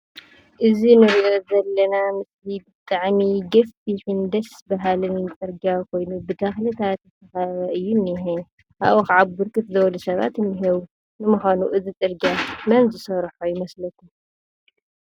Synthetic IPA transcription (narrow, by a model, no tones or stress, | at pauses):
ʔɨzinɨɾiʔozɐlːɐnamɨslibɨt̪ʼːaʕmiɡɐffiħind̪ɐsbaɦalɨnt͡sʼɨɾɡakʰo̞jnubɨt̪ɐxlɐt̪ʰat̪ɨt̪ʰɐxaβɐʔɨjːunːiɦe | ʔa̰βoxʕabbɨɾkʼɨt̪zɐwlusɐβa̰t̪ɨnːiɦeβu | nɨmɨxanuʔɨzit͡sʼɨɾɡamɐnzɨsɐɾħojɪmɐslɐkːu